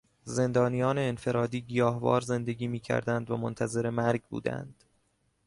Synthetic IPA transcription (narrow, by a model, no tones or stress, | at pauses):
ze̞nd̪ɒːnijɒːne̞ːnfe̞ɾɒːd̪iːɡijɒːɦvɒ̰ːɾze̞nd̪e̞ɡiːmiːcʰæ̰ɾd̪ænd̪væmont̪ʰæze̞ɾe̞mæɾɡbṵːd̪æ̰nd̪̥